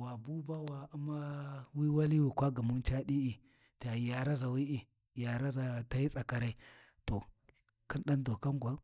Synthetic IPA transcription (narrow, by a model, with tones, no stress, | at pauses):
wa˨bu˦ba˦wa˨u˦ma˦wi˦wa˦li˦wi˨kʷa˦ɡa˨mu˦n˦t͡ʃa˦ɗi˦i˨ | ta˨ja˨ɾa˦za˨wi˦ʔi˨ | ja˨ɾa˦za˨ta˦i˦t͡sʼa˨ka˨ɾa˦i˦ | to˨ | ki˦nɗa˦ndo˨ka˦ŋɡʷa˦